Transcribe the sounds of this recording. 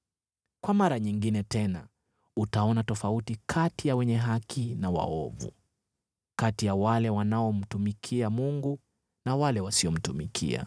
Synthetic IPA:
kwamaɾaɲiŋɡinɛtɛna | utaɔnatɔfautikʰatijawɛɲɛɦakʰinawa̰ɔvṵ | katijawalɛwanaɔm̩tumikʰiamuŋɡu | nawalɛwasiɔm̩tumikʰḭa̰

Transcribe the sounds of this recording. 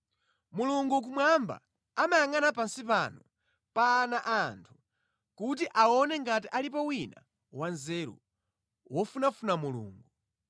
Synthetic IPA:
muluŋɡuk̬umwamba̰ | amajaŋanapansipanɔ | paːnaʔantʰu̥ | kut̬iʔaɔnɛŋɡatiʔalipɔwina̰ | wanzɛɾṵ | wʔɔfunafunamulṵːŋɡu

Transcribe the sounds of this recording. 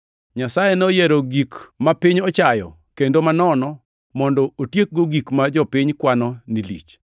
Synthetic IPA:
ɲasajenojɛɾoɡikmapɪɲɔt͡ʃajɔ̰ | kendomanɔnɔ | mɔndɔotjek̚ɡoɡikmad͡ʒɔpɪɲkwanɔnilḭt͡ʃ

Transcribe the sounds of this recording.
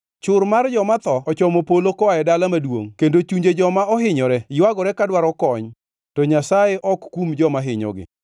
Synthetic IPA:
t͡ʃʊɾmard͡ʒɔmat̪ɔɔt͡ʃɔmopolokɔaɛdalamadwo̰ŋkendot͡ʃuɲd͡ʒed͡ʒɔmaɔɦɪɲɔɾɛɪwaɡɔɾɛkadwaɾɔkɔɲ | tɔɲasajeʔɔkːumd͡ʒɔmaɦɪɲɔ̰ɡɪ̰

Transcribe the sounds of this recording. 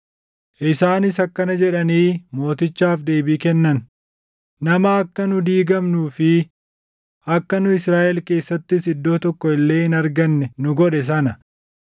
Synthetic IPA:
ʔɪsaːnɪsɐkːɐnɐd͡ʒɛᶑɐniːmo̞ːt̪ɪt͡ʃːaːfd̪e̞ːbiːkɛnːɐn | nɐmɐːkːɐnʊd̪iːɡɐmnuːfɪ | ʔɐkːɐnʊɪsɾaːʔɛlke̞ːsːɐt̪ːɪsɪd̪ːo̞ːt̪ɔkːɔɪlːe̞ːɪnɐɾɡɐnːɛnʊɡɔᶑɛs̬ɐnɐ

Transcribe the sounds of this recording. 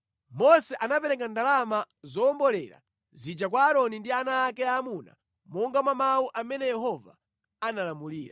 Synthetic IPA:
mɔsɛʔanapɛɾɛk̬andalama | zɔːmbɔlɛ̰ɾa̰ | zid͡ʒakwaːɾɔnindianaːkɛaːmuna̰ | mɔŋɡamwamawuʔamɛnɛjɛɦɔva̰ | analamuliːɾa̰

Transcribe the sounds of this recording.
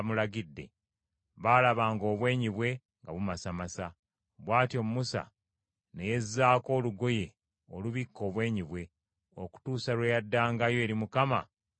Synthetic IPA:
mulaɡidːe̞̰ | βaːlaβaːŋɡo̞ːβwe̞ːɲiβwe̞ | ŋɡaβumasamasa | βwaːtjo̞mumusa̰ | ne̞je̞zːaːko̞ːluɡo̞je̞ | oluβikːo̞ːβwe̞ːɲiβwe̞ | o̞̰ku̥tuːsalwejadːaːŋɡajo̞ɾimukama̰

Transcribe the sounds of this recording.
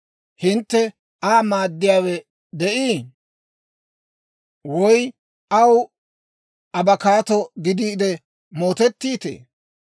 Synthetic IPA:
hɪnt̪ːɛ | aːmaːd̪ːɪjaːwɛ | d̪ɛʔiː | wɔj | ʔɐw | ɐbɐkaːt̪ɔɡɪd̪iːd̪ɛ | mo̞ːt̪ɛt̪ːiːt̪ḛː

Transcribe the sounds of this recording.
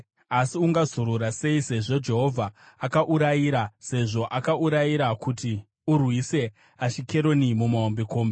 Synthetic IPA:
asiuŋɡazuɾuɾase̞ise̞ʐo̞d͡ʒe̞ɦo̞vʱaːkaʔuɾajiɾase̞ʐo̞ʔakaʔuɾajiɾakuti | urwise̞ | aʃike̞ɾo̞nimumaombiko̞ːmbe

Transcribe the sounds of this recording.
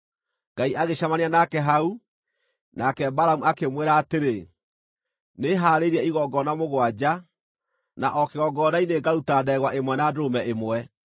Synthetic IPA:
ŋɡaiʔaɣeɕamaneanakɛɦau | nakɛbaɾamuakemweɾaːteɾe | neɦaːɾeɾɛiɣɔɡɔnamoɣwad͡ʑa | naʔɔkeɣɔɡɔnaineɡaɾutaːdɛɣwaʔemwɛnadoɾomɛʔemwɛ

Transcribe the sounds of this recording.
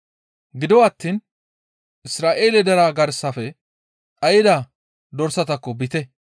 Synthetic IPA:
ɡɪd̪ɔwat̪ːiːn | ʔɪsɾaːʔe̞ːlɛd̪ɐɾaːɡɐɾsɐfɛ | ɐjɪd̪a | d̪ɔɾsɐt̪ɐkːɔbɪt̪ɛ

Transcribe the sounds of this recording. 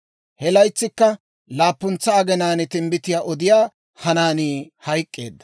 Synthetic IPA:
hɛlɐjt͡sːɪkːɐ | laːpːʊnt͡sːɐːɡɛnaːnɪt̪ɪmbɪt̪ɪjaːʔɔd̪ɪjaː | hɐnaːniː | hɐjkʼːe̞̰ːd̪ːɐ̥

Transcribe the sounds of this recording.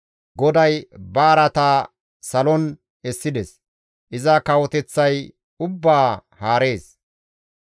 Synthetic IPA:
ɡɔd̪ɐjbɐːɾɐt̪aː | sɐlɔn | ɛsːɪd̪ɛs | ʔɪzɐkɐwɔt̪ɛt͡sːɐj | ʊbːaːhaːɾe̞ːs

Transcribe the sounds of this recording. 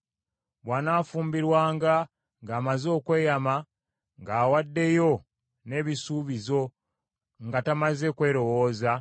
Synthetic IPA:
βwaːnaːfuːmbiɾwaːŋɡa | ŋɡaːmazo̞ːkwe̞ːjama | ŋɡaːwadːe̞jo̞ | ne̞ːβisuːβizo̞ | ŋɡatamaze̞kwe̞ːɾo̞wo̞ːza

